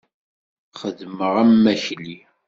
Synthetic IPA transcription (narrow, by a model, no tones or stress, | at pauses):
χəðməʁæmːæçli